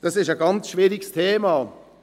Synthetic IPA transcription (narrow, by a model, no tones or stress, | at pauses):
d̥ɑsɪʃəɡɑnt͡sʃviːɾɪɡəstʰeːmɑ